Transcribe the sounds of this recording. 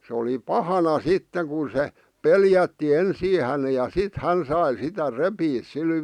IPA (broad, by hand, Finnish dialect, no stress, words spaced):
se oli pɑhɑnɑ sitːeŋ ku se peljætːi ensiː hæne jɑ sit hæn sɑi sitæ repiːs sil